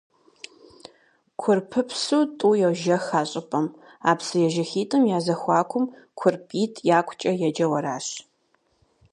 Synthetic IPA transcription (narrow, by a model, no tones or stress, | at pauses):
kʷʰʊrpʰɨpʰsuːtʼuːjɛwʒɐxaːɕʼɪpʼɐm | a̰ːpsɨjɛʒɐxiːtʰʼɨmjaːzɐxʷɑːkʷʰʊm | kʷʰʊrpʰʼiːtʰjaːkʷʰʼt͡ʃʼɐjɛd͡ʒɐwɐɾaːɕ